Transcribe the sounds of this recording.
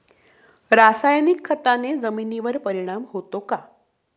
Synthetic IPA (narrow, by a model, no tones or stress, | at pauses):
ɾasajnikʰːət̪aned͡zəminiʋəɾpəɾiɽ̃amɦot̪oka